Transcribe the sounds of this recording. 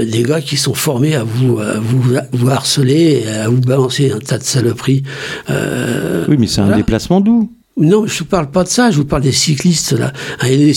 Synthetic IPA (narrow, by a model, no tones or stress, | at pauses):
d̪eɡakʲisɔ̃fɔʁmeavuøvuvuaʁsəleːavubalɑ̃seɛ̃t̪ad̪əsalɔpχiø̰wimɛsɛɛ̃d̪eplasmɑ̃d̪u | nɔ̃mɛʒəvupaʁlpad̪əsaʒəvupaʁld̪esiklist̪la̰ɛ̃ɛlee